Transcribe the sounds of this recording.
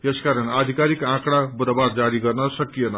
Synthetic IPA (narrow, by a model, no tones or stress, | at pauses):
jeskaɾʌnad̪ʱikaɾikãkɽabuɾʌbard͡zaɾiɡʌrnʌsʌkijenʌ